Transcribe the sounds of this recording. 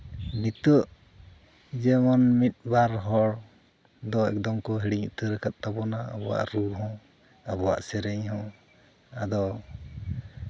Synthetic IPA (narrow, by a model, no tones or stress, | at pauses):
nit̪əʔ | d͡ʒɛmɔnmit̪̚ˀbaɾɦɔɽ | d̪ɔɛ̰k̚d̪ɔmkɔɦiɽiɲuʔt̪əɾəkʰat̪̚ˀt̪abɔnaə̰bɔwa̰ʔɾuɦɔ̃ | abɔwa̰ʔsɛɾɛɲɦɔ̃ | ad̪ɔ